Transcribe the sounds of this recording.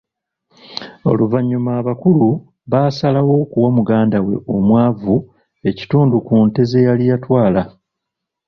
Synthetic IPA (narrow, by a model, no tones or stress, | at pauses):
o̞̰luvaɲːumaːβakulu | βaːsalawo̞kuwamuɡaːndawe̞̰ʔo̞mwaːvu | e̞ci̥tuːndukuːnte̞ze̞jalijatwaːla